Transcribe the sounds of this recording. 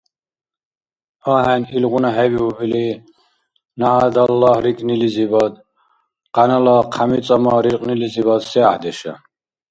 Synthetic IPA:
aɦɛnilʁunaɦɛviubili | naʕad̪alːahɾikʼnilizibad̪ | qʼanalaqʰamit͡s̪ʼamaɾiɾqʼnilizibad̪sɛaħd̪ɛʃa̰

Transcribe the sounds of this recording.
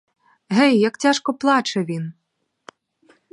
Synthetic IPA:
ɦɛjːɐkt͡sʲaʂkɔplˠɑt͡ʃɛʋʲin

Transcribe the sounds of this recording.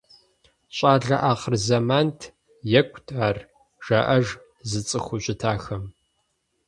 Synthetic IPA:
ɕʷʼaːɮɐ̰ʔaːχərzɐmaːntʰ | jɛkʷʰʼtʰʼaːr | ʒ̥ɐʔɐʒ | zɨt͡sʼɨxʷʊɕʷʼɪtʰaːxɐm

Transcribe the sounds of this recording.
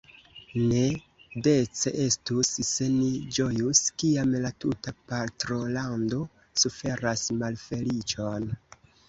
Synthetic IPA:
ne̞ | de̞t͡seʔe̞stusse̞nid͡ʒo̞juskiamlatutapaɾtɾo̞lando̞ | sufe̞ɾasmalfe̞lit͡ʃo̞n

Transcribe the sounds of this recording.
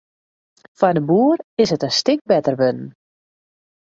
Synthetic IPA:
fadəbuːərɪsətəstɪk̚bɛtərʋønn̩

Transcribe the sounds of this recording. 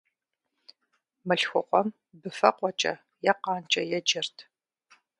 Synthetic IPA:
mɨɬxʷʊqʷɔm | bɨfɐqʷʼɔt͡ʃʼɐ̰ | jɛqɑːnt͡ʃʼɐjɛd͡ʒɐrtʰ

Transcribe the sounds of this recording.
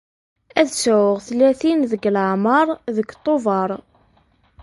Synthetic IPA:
æðsəʊʁθlːæθinðəɡlʕmɑɾˤðəkːt̪ˤːovɑɾˤ

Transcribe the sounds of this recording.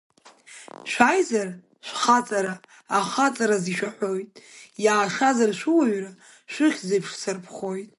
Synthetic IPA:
ʃʷajzar | ʃʷχat͡sʼaɾaː | χat͡sʼaɾaziʃʷᶣaħʷo̞jtʼjaːʂazarʃʷuwaɥra | ʃʷɨχʲzɨpʰʂsarpʰχo̞jtʼ

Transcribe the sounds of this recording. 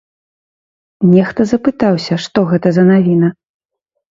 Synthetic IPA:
nʲɛxt̪ɐzɐpɨt̪awsʲɐʂt̪ɔɣɛt̪ɐzɐnavʲinɐ

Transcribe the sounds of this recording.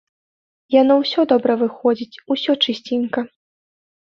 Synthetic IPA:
janɔwsʲɔd̪ɔbɾɐvɨxɔd͡zʲit͡sʲusʲɔt͡ʂɨsʲt͡sʲinkɐ

